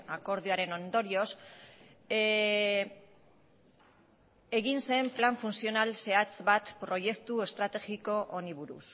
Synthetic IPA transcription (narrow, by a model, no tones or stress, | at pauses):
ako̞ɾð̞iaɾe̞no̞nd̪o̞ɾio̞s | e̞ɣinse̞mplaɱfunsio̞nalse̞at͡sβat̪pɾo̞je̞kt̪ue̞st̪ɾat̪e̞ɣiko̞ʔoniβuɾṵs